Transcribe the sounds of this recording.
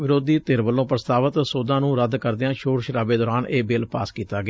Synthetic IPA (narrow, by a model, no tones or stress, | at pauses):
ʋɪɾoːd̪iːt̪eːɾʋəlːõːpɾəst̪aːʋət̪soːd̪ãːnũːɾəd̪kəɾd̪eãːʃoːɾʃɾaːbeːd̪ɔːɾaːneːbeːlpaːskiːt̪aːɡɪː